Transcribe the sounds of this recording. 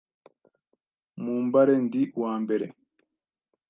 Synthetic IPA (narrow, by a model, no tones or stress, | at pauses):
muːmbaɾendiwaːmbeɾḛ